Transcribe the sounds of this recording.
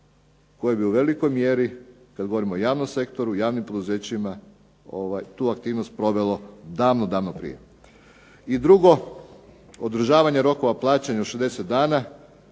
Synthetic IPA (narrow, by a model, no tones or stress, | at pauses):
ko̞jebiuʋe̞likojmje̞ɾi | kad̪ɡoʋo̞ɾimoojaːʋnomse̞kt̪o̞ɾujaːʋnimpo̞d̪uzeːt͡ɕima | oʋajt̪uːakt̪iːʋnost̪̚pɾo̞ʋe̞lo̞d̪aːʋnod̪aːʋnopɾḭje̞̰ | id̪ɾuɡo̞ | od̪ɾ̩ʒaːʋaɲeɾo̞ko̞ʋaplˠaːt͡ɕaɲauʃed̪e̞set̪̚d̪aːna